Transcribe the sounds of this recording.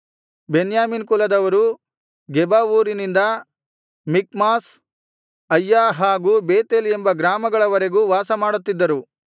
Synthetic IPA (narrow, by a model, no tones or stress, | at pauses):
benjaːminkulɐd̪ɐʋɐɾu | ɡɛbaːʋuːɾinind̪ɐ | mikmaːs | ɐjːaːɦaːɡuːbeːt̪elembɐɡɾaːmɐɡɐɭɐʋɐɾe̞ɡuːʋaːsɐmaːɽut̪ːid̪ːɐɾu